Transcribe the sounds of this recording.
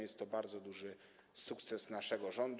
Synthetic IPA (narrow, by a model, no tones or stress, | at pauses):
jɛst̪ːɔbaɾd̪zɔd̪uʐɘ | sukt̪sɛsnaʂɛɡɔʐɔnd̪